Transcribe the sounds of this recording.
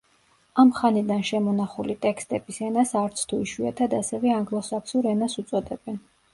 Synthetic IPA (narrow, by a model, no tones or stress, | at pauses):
amχanid̪anʃɛmɔnaχulit̪ʼɛkst̪ʼɛb̥isɛnasaɾt̪sʰt̪ʰuiʃwia̰t̪ʰad̪asɛvɛaŋɡlˠɔsakʰsuɾɛnasut̪sʼɔd̪ɛbɛn